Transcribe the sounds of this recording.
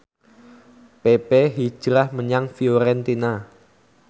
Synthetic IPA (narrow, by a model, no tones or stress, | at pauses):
pepeɦi̥ʒ̥ɾahməɲaŋfioɾɛnt̪ina